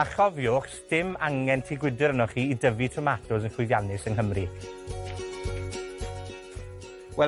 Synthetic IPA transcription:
aχɔvjʊːχsd̥ɪmaŋɛntʰiɡwɪdɪɾənɔχiːidəvitʰrɔmatʰʊsənχʰwɪðjanɪsənɦəmri | wɛ

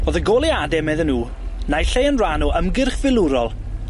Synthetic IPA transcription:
oːðəɡoːlˠiadɛmɛðənːuː | najɬejənranɔʔəmɡɪrχvɪlˠʊɾɔlˠ

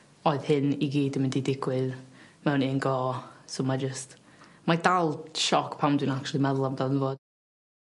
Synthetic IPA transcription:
ɔɨðhɪniɡiːdəmɪndidɪɡwɪðmɛwniənɡɔːsomad͡ʒəst | madalˠʃɔkʰpʰamdwinak̚t͡ʃulˠimɛðlˠamdanvoː

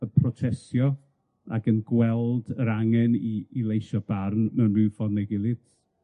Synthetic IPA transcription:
əpʰrɔtʰɛsjɔ | a̰ɡənɡwɛlˠdəɾaŋɛniːlˠejʃɔbarnmɛnrɨfɔrnɛɡɪlˠɨd

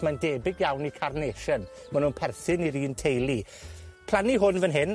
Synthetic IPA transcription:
mandeːbɪɡjawnikʰarneːʃən | manuːnpʰɛrθɨniɾiːntʰejlˠi | pʰl̥ˠaniɦʊnvənɦɪn

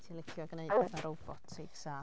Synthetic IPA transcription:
tʰilɪkʰjʊaɡneɨdɛvaɾʔɔwb̥ɔtʰsejɡsaː

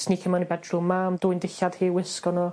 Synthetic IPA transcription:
sniːkʰəmanibɛdrʊmːamd̥ʊːjndɪɬad̥hiːwɪskɔnɔ

